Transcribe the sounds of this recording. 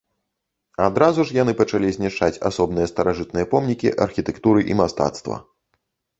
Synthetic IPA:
ad̪ɾazuʂjanɨpɐt͡ʂalʲizʲnʲiʂt͡ʂat͡sʲa̰sɔbnɨjɐst̪ɐɾaʐɨt̪nɨjɐpɔmnʲikʲḭʔɐrxʲit̪ɛkt̪uɾɨʔimast̪a̰t̪st̪vɐ̰

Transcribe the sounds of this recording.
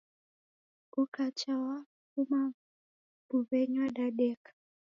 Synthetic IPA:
ukat͡ʃawa | kuma | buβɛɲwaɗaɗɛkḁ

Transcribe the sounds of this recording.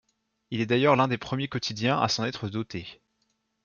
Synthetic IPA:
ilɛd̪ajœʁlɛ̃d̪epχəmjekɔt̪id̪jɛ̃ʔa̰sɑ̃nɛt̪χəd̪ɔt̪e

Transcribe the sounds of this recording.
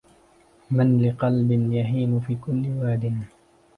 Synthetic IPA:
manlɪqɑlbɪnjaɦiːmʊfiːkʊlːɪwaːd̪ɪn

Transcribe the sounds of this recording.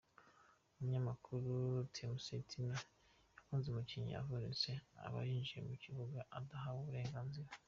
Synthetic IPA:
umuɲamakʰuɾutʰemusetʰina | jakuːnzemuciɲḭa̰vunisea̰βa̰ɾiːnʒiḛmuciβuɡaʔadaɦaβuβuɾe̞ːŋɡanziɾa

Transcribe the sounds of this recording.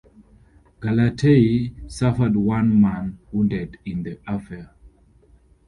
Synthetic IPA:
ɡ̥alatʰeisafədwãnmãnwũndɛdĩnðəʔafɛ

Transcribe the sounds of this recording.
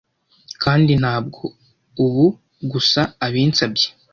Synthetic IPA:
kʰaːndin̥haːb̚ɡo̞ | uβu | ɡusaːβiːnt͡sabje

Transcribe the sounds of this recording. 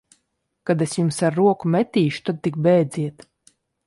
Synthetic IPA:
kad̪esjumsaɾːuɔkumʲɛt̪ʲiːʃu̥t̪ad̪̚t̪ik̚bɛːd̪zʲiɛt̪

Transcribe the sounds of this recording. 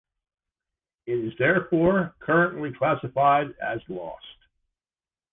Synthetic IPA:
ɪɾɪzðɛɹfɔɹkʰɜ˞ə̃nʔlikʰl̥æsəfaɪɾɨ̰zlɔ̰st̚

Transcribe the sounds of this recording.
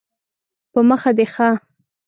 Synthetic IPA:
pəməxad̪exa

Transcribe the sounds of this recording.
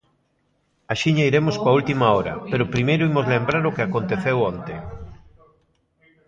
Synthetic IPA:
aʃiɲaiɾemʊskwɐult̪imaɔɾɐ̰peɾʊpɾimejɾʊimʊzlembɾaɾʊkɪakont̪eθewɔnt̪eŋ

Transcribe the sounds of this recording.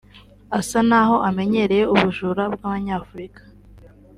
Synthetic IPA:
asanaɦo̞ʔame̞ɲe̞ɾe̞je̞uβuʒuɾabɡaːβaɲaːfuɾikḁ

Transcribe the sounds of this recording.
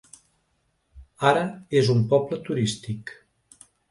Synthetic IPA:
aɾəezumpɔblət̪uɾist̪ik

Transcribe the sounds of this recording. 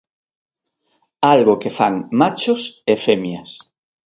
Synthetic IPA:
alɣokefaŋmat͡ʃʊsefemjɐs

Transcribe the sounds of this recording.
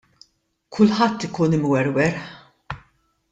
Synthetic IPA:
kʰʊlħɐt̪ːɪkuːnɪmwɛɾwɛɾħħ

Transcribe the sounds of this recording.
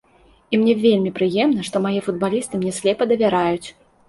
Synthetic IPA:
imnʲɛvʲelʲmʲipɾɨjɛmnɐʂt̪ɔmajifud̪̚balʲist̪ɨmnʲɛsʲlʲɛpɐd̪ɐvʲaɾajut͡sʲ

